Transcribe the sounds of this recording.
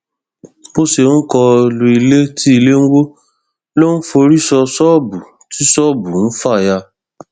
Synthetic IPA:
o˦se˧˦n̩˦kɔ˧lu˧i˧le˦tʰi˦i˧le˦n̩˦wo˦ | lo˦n̩˦fo˧ɾi˦sɔ˧sɔ˦˨bu˨ | ti˦sɔ˦˨bu˨n̩˦fa˦˨ja˧

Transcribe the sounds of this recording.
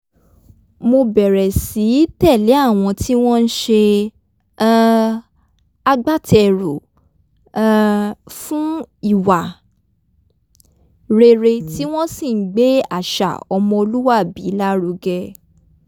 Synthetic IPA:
mo˧bɛ˨ɾɛ˨si˨˦tɛ˦˨lɛ˨˦a˦˨w̃ɔ̃˧ti˦w̃ɔ̃˦n̩˦ʃe˧ | a˧ɡ͡ba˦tɛ˧˨ɾu˨ | fũ˦i˦˨wa˨ | ɾe˧ɾe˧ti˦w̃ɔ̃˦sĩ˦˨n̩˨˦ɡ͡be˦a˦˨ʃa̰˨ɔ˧mɔ̃˧o˧lu˦wa˦˨bi˨˦la˦ɾu˧ɡɛ˧

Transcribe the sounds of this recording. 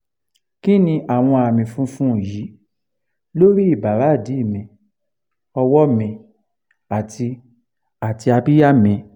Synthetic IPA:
ki˦nĩ˧ʔa˨w̃ɔ̃˧a˨mĩ˨fũ˨˦fũ˦˨jiː˨˦ | lo˦ɾi˦i˦˨ba˨ɾa˨˦˨di˨˦i˦˨mĩ˧˨ | ɔ˧wɔ˦mĩ˧ | a˨tʰi˧ | a˨ti˧a˧bi˦ja˦mĩ˧

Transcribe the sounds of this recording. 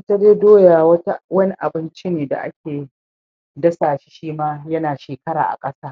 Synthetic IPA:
ta˦d͡ʒeː˦doː˦jaː˨wɐ˦ta˦wɐ˦ni˦ʔa˨bɪ˦nt͡ʃi˦neː˨da̰˨ʔa̰˦kʲʰeː˨ | dɐ˦saː˨ʃi̥˦ʃiː˦maː˦jɐ˦naː˨ʃeː˨kɐ˦ɽa̰ː˨ʔa̰˨kʼɐ˦saː˦

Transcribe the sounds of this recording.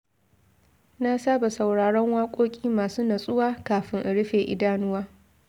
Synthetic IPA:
na˦saː˦ba˨sa˨wɽaː˨ɽɔ˦ŋwaː˦kʷʼoː˦kʲʼiː˦maː˨suː˦na˨sʼʊ˦waː˦kaː˨ɸɪ˦ŋʔa˨ɽɪ˦ɸeː˨ʔɪ̰˦daː˦nʊ˦waː˦

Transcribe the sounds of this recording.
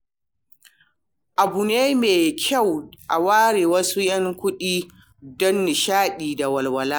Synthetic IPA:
ʔa˨bu˨neː˦meː˨kʲʰa˦˨wʔa˨waː˦ɽeː˨wɐ˦su˦jɐ˦ŋkʷʊ˦ɗiː˦ | dɔ˦nːɪ˨ʃaː˦ɗiː˨da˨wɐ˨lwɐ˨laː˦

